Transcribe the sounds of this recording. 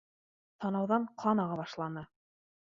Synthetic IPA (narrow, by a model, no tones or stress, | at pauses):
t̪ɑnɑwðɑɴqʰɑnɑʁɑbɑʃlˠɑnɤ